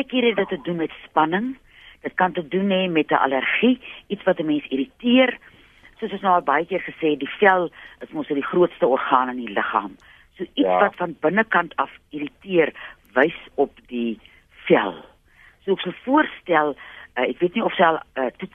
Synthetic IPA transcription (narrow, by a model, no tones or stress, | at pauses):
kiɾɛdətədunmɛtspɐnəŋ | d̥ət̚kɐntədunɛmɛtəʔɐ̰lərχiitsvɐtəmɛnsiɾitiər | suəsəsnɑːlˠbɐjəkiərχəsɛːdifɛlˠəsmɔsədiχruətstəɔrχɑːnəniləχɑ̰ːm | suəʔitsvɐtfɐnbənəkɐntʰɐfiɾitiərvəjsɔpdi | fɛ̰lˠ | suəəksɐlˠfuərstælˠəɛkviətniɔfslətu